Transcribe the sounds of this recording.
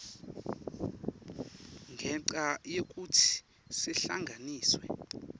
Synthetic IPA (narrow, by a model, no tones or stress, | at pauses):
ŋʱɛǀajek̬ʼutʰi̥ | siɬa̰ŋɡʱaniːswɛ̰